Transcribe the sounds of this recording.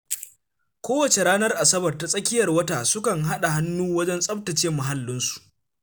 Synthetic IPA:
kʷoː˦wɐ˨t͡ʃe˨ɽaː˦nɐ˦rʔa˨sɐ˦bɐ˨rta˨sʼɐ˦kʲɪ˦jɐ˨rwɐ˦taː˨sʊ˦kɐ˨ŋɦa˦ɗa˨ɦa˦nːuː˦wɐ˦d͡ʒɛ˦nsʼɐ˦b̚tɐ˨t͡ʃeː˦mːʊ˨ɦa˦lːɪ˦nsu̥˨ʔ

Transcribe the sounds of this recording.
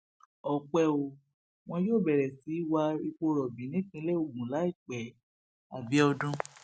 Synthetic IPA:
ɔ˨k͡pɛ˧o˧ | w̃ɔ̃˧joː˦˨bɛ˨ɾɛ˨si˨˦wa˧i˧k͡po˧ɾɔ˨bĩ˨˦nĩ˦kĩ˧˦lɛ˦o˨ɡũ˨la˨˦i˦˨k͡pɛ˨ | a˨bi˨˦ɔ˧dũ˦

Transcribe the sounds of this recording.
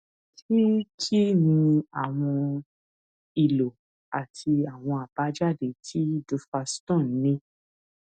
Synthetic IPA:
ti˦ti˦nĩ˧a˨w̃ɔ̃˧ | i˨lo˨ | a˨tʰi˧a˨w̃ɔ̃˧a˨b̥a˨˦d͡ʒa˦˨de˨tʰi˦du˧fa˧stɔ̃˦˨n̩˨˦nĩ˧˦

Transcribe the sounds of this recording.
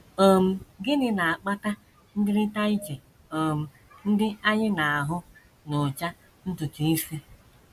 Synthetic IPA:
o˨m̩˦˨ɡɪ˦nɪ˦na˨a˨k͡pa˦ta˦ | n̩˦dɪ˦ɾɪ˦ta˦i˦t͡ʃe˨ | o˨m̩˨ | n̩˦dɪ˦a˦ɲɪ˦na˨a˨ɦʊ˦ | nʊ˨t͡ʃa˦ | n̩˦tʊ˨tu˨i˦si˦

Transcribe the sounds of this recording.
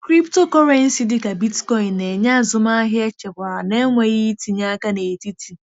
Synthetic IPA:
kɾi˦pto˦kɔ˦ɾe˨˦n̩˦si˦dɪ˦ka˨bi˦tkɔ˦i˨nːe˨ɲa˦a˨zʊ˨ma˦ɦɪ˦e˦t͡ʃe˨kʷa˨a˨ne˦ŋʷe˨ɣi˦ti˨ɲa˦ka˦ne˨ti˦ti˨

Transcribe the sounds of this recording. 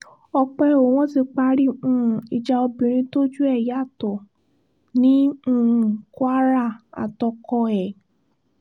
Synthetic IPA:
ɔ˧k͡pɛ˧o˨˦w̃ɔ̃˦ti˧k͡pa˧ɾĩ˦˨i˨d͡ʒa˧o˧bĩ˨ɾ̃ĩ˧to˦d͡ʒu˦ɛ˦˨ja˨˦˨tɔ˨ | nĩ˦˨ | kwa˦ɾa˦˨a̰˨tɔ˧kɔ˧ɛ˨

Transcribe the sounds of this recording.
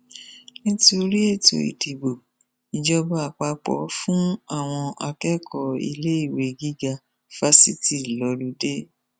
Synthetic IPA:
nĩ˦ti˦o˧ɾi˦e˦˨to̰˨ḭ˨di˨bo˨ | i˨d͡ʒɔ˧ba˧˦a˨k͡pa˧k͡pɔ̰˨˦fũ˦a˦˨w̃ɔ̃˧a˧kɛ˦kɔ˧ḭ˧le˦i˦˨we˨ɡi˦ɡa˧ | fa˦si˦ti˦˨lɔ˧˦lu˧˦de˦

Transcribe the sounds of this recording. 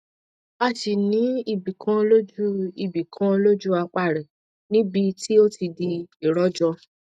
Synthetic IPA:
a˦˨ʃi˨nĩ˨˦i˦˨bi˨kʰã˦˧lo˦d͡ʒu˦i˨bi˨kʰã˦o˧lo˦d͡ʒu˦a˧k͡pa˦˨ɾɛ˨ | nĩ˦bi˧ti˦o˦ti˧di˧i˨ɾɔ˦d͡ʒɔ˧

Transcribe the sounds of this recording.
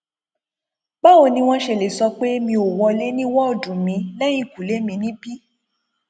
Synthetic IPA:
ɡ͡ba˦o˧nĩ˧w̃ɔ̃˦ʃe˧˨le˨sɔ˧k͡pe˦e˦mĩ˧o˨wɔ̃˧le˨˦nĩ˦wɔ˦o˦˨dũ˨mĩ˧˦lɛ̃˦ĩ˦˨ku˨le˨˦mĩ˧nĩ˦bi˦

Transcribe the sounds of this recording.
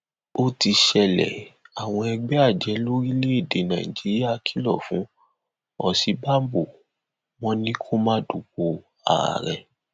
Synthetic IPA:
o˦ti˧ʃɛ˧lɛ̰˨a˨w̃ɔ̃˧ɛ˧ɡ͡bɛ˦a˦˨d͡ʒɛ˨˦lo˦ɾi˦le˦e˦˨de˨nã˨ḭ̃˨d͡ʒi˨˦ɾi˦a˦˧kʰi˦lɔ̰˦˨fũ˨˦ | ɔ˨si˧ba˦m˦bo˨ | w̃ɔ̃˦nĩ˦kʰo˦mã˦du˨k̚o˧ | a̰˨ɾa̰˨ɾɛ˨

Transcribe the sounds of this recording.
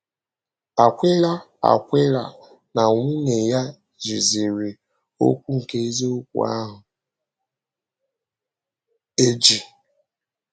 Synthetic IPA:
a˨kʷe˦la˦ | a̰˨kʷɪ˦la̰˨ | na˨ŋʷu˦ne˨ja˦ | zi˨zi˨ɾi˨ | o̰˦kʷu˦ŋ̩˨ke˦ze˦o˦kʷṵ˨a̰˦ɦʊ˨ | e˦d͡ʒi˨

